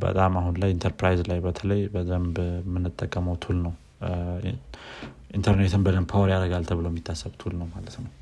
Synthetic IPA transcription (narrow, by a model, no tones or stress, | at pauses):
bə̰t̪ʼamahunlajint̪ʰəɾpɾajzlajbət̪ʰələjbəd̪əmbmːɨnːɨt̪ʼːəkʼːəməwt̪ʰulnəw | ʔint̪ʰəɾnet̪ʰɨnbəd̪əmpʰawɾjaɾəɡalt̪ʰəβɨləwmːit̪ʰːasːəβt̪ʰulnəwmalət̪nəw